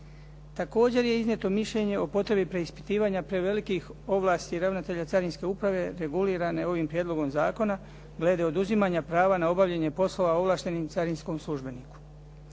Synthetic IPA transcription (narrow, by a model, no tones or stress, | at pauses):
t̪ako̞ːd͡ʑe̞ɾje̞iznʲje̞t̪o̞miʃʎe̞ɲe̞o̞po̞t̪ɾe̞bipɾe̞ispi̥t̪iːʋaɲapɾe̞ʋe̞likixo̞ʋlˠaːst̪iɾaʋnat̪e̞ʎat̪saɾinske̞upɾaʋe̞ɾe̞ɡuliːɾane̞o̞ʋimpɾjed̪lˠo̞ɡo̞mzaːko̞na | ɡle̞d̪e̞o̞d̪uzimaːɲapɾaːʋanao̞baʋʎeɲe̞po̞slo̞ʋao̞ʋlˠaːʃt̪e̞nimt̪saɾinsko̞mslˠuʒbe̞niku̥